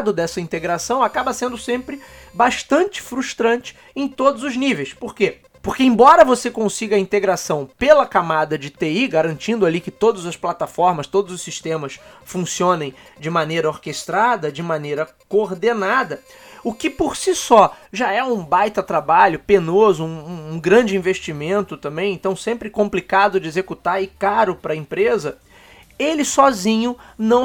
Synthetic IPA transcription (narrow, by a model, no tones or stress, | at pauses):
d̪ʊd̪ɛsɐĩnt̪eɡɾasɐ̃w̃akabɐsẽnd̪ʊsẽmpɾɪbaʃt̪ɐ̃nt͡ʃɪ̥fɾuʃt̪ɾɐ̃nt͡ʃɪ̥ | ẽj̃t̪od̪ʊzʊznivejspoɾke | poɾkeẽbɔɾɐvosekõsiɡɐĩnt̪eɡɾasɐ̃w̃pelɐkamad̪ɐd͡ʒɪt̪eiɡaɾɐ̃nt͡ʃĩnd̪ʊalikɪt̪od̪ɐzɐsplat̪afɔɾmɐst̪od̪ʊzʊsiʃt̪ẽmɐsfũsiõnẽj̃d͡ʒɪmanejɾɐoɾkest̪ɾad̪ɐd͡ʒɪmanejɾɐ | koɾd̪enad̪ɐ | ʊkɪpoɾsisɔʒaɛũbajt̪ɐt̪ɾabaʎʊpenozʊũũɡɾɐ̃d͡ʒɪĩveʃt͡ʃimẽnt̪ʊt̪ɐ̃mbẽj̃ẽnt̪ɐ̃w̃sẽmpɾɪkõmplikad̪ʊd͡ʒɪezekut̪aɾɪkaɾʊpɾɐẽmpɾezɐ | elɪsɔzĩɲʊnɐ̃w̃